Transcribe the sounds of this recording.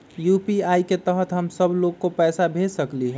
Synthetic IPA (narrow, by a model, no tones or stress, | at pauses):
jupiaiket̪əɦət̪ɦəmsəbʱloɡ̚kopɛːsabʱesəkliɦɛ